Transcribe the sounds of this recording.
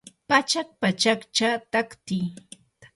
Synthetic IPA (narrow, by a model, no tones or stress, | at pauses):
pat͡ʃak̚pat͡ʃakt͡ʃat̪akt̪ɪj